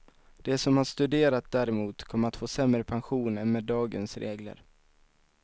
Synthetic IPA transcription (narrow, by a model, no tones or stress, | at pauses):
d̪̥ɛsɔmhaʂt̪ɵd̪eːɾat̪̚d̪æːɾɛmuːt̪kʰɔmːɾat̪foːsɛmɾəpʰanɧuːnɛnmeːd̪ːɑːɡənsɾeːɡlə̰ɾ